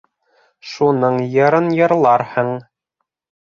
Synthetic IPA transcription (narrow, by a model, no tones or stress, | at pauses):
ʃunɤɴjɤ̆ɾɤnjɤ̆ɾlˠɑɾhɤɴ